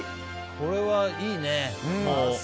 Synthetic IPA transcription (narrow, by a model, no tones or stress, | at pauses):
ko̞ɾe̞βaiːnẽmo